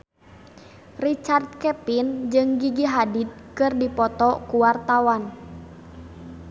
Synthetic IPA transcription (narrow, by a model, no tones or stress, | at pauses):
rit͡ʃard̪̚kɛpind͡ʒɨŋɡiɡiɦadit̪̚kɨrdipɔt̪ɔkuwart̪awan